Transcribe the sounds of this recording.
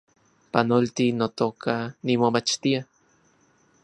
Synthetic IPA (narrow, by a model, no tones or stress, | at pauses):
panolt̪inot̪oːkʰanimomat͡ʃt̪ia